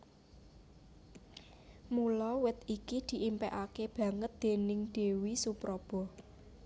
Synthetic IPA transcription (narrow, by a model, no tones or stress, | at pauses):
mulɔwɪt̪ikid̪̥i̤ʔimpɛʔakeb̥ä̤ŋət̪̚d̪̥e̤nɪŋɖ̪̥e̤wisupɾɔb̥ɔ̤